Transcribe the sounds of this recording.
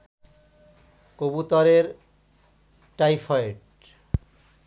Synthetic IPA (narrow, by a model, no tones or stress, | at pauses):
kobut̪ɔɾeɾ | ʈajfʰɔeʈ̚